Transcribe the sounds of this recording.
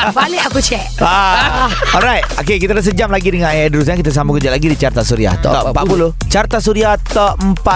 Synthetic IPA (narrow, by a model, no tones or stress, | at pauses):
baleakut͡ʃɛʔa | ɔlɾajt̪̚okekit̪adəs̬əd͡ʒamlaɡidəŋanajdəɾus̬ɲakit̪as̬ambukərd͡ʒalaɡidit͡ʃart̪asuɾia̰ht̪ɔ̰ɔpapulu | t͡ʃart̪asuɾiaht̪əəmpa